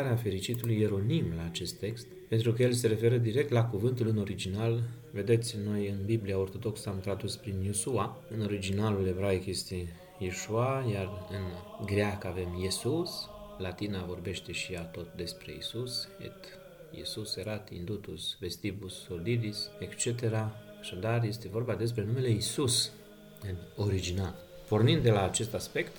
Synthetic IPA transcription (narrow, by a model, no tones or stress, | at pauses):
aɾeafe̞ɾit͡ʃit̪ulujeɾo̞nimlaːt͡ʃe̞st̪ːe̞kst̪pe̞nt̪ɾukəjels̬e̞ɾe̞fe̞ɾəd̪iɾe̞k̚t̪lakuvɨnt̪ulɨno̞ɾid͡ʒinal | ve̞d̪e̞t̪sʲno̞jɨnbibliaort̪o̞d̪o̞ksamt̪ɾad̪uspɾinjusuaɨno̞ɾid͡ʒinalule̞vɾaikje̞st̪e̞ | jiʃuajarɨnɡɾeakəave̞mjesuslat̪inavo̞rbe̞ʃt̪e̞ʃijat̪o̞t̪d̪e̞spɾe̞̰ḭsusḛt̪ | jḭsuseɾat̪iḭnd̪ut̪usve̞st̪ibusːold̪id̪isekt͡ʃe̞t̪e̞ɾa | aʃad̪arje̞st̪e̞vo̞rbad̪e̞s̬pɾenume̞le̞isus | ɨno̞ɾid͡ʒinal | po̞rnind̪d̪e̞laːt͡ʃe̞st̪aspe̞kt̪